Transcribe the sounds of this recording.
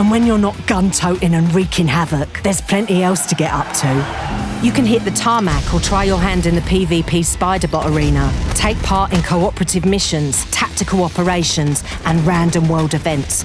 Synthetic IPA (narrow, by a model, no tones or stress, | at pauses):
ə̃nwə̃njə˞nəʔɡ̥ʌ̃ntʰəʊʔɪ̃nə̃nɹiˑkʰɪ̃nɦavəkðə˞z̥pʰl̥ɛ̃ntiɛlˠstʰəɡɛtʌp̚tʰʉjəkə̃nɦɪʔðətʰɑːmakʰətʰɹ̥aɪjəɦæ̃ndɪ̃nðəpʰiːviːpʰiːspaɪdəbɒʔəɹĩːnətʰeɪk̚pʰɑˑtɪ̃nkʰəʊɒpʰəɹətɪvmɪʃə̃nz̥tʰak̚tɪkʰəlɒpəɹeɪʃə̃nz̥ | ʔə̃nɹãndə̃mwɜːlˠdɪvɛ̃nts